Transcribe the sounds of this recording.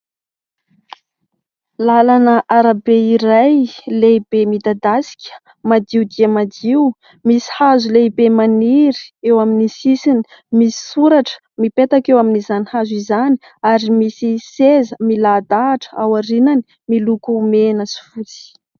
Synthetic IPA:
lalanəʔaɾabeiɾajleibemid̪ad̪asi̥kʲə̥ | mad̪iud̪iəmad̪iu | misi̥hazuleibemaniɾi̥ewaminisisini̥ | misi̥suɾaʈ͡ʂə̥ | mipet̪akewaminizanihazizani | aɾimisisezəmilad̪aːʈ͡ʂə̥awaɾinani | milukuːmenəsi̥fut͡si̥

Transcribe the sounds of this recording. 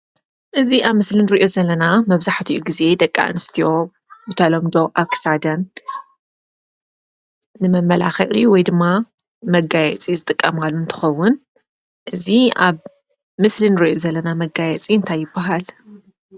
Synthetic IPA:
ʔɨziʔaβmɨslinɨɾiʔo̞zɐlːɐnamɐβzaħt̪ʰiʔuɡize̞d̪ɐkʼːa̰ʔɨ̰nɨst̪ʰijo̞ | bɨt̪ʰalo̞md̪o̞ʔaβkʰɨ̥sad̪ɐn | ɨmɐmːɐla̰xɐ̰ʔʼiwɔjd̪ɨmːa | mɐɡajɛt͡sʼizɨt̪ʼɨkʼːɐmalːunt̪ʰɨ̥xɐwːʊn | ʔɨziaβ | mɨslinɨɾiʔozɐlːɐnamɐɡajɛt͡sʼiɨnt̪ʰajːɪbːaɦal

